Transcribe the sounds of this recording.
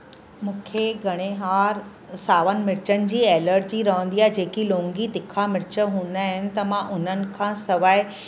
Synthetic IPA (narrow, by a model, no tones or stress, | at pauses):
mũːkʰeɡʱɐɽ̃eɦaːɾ | saːʋənɪ̆mɪɾt͡ɕənɪ̆d͡ʑiːɛːləɾʈ̚d͡ʑiːɾɐɦə̃nd̪ijaːɦɪd͡ʑeːkilõːŋɡit̪ɪkʰamɪɾt͡ɕə̆ɦũːn̆d̪aːɦɪnɪ̆t̪ɐmãʔʊn̤ənɪ̆kʰãːsɐʋaːɪ